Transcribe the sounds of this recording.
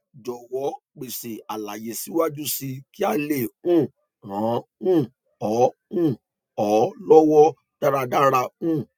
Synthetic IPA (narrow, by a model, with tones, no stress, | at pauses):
d͡ʒɔ˨wɔ˨˦ | k͡pe˨se˨a˨la˨je˨si˨˦wa˦d͡ʒu˦si˧ki˦a˦˨le˨ũ˦˨ | hã˨˦ũ˦˨ | ɔ˨˦ũ˦˨ | ɔ˨˦lɔ˦wɔ˦ | d̥a˦ɾa˧da˦ɾa˧ũ˦˨